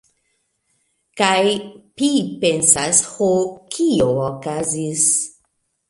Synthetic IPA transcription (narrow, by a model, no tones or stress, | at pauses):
kajpipensashokʰiookazis